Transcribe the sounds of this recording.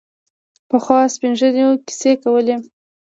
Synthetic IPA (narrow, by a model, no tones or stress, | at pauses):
pəxwɑspinʒəneoki̥sekawəle